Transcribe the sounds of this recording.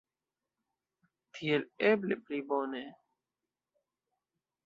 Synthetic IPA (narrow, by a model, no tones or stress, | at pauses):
t̪ʰielebleplibone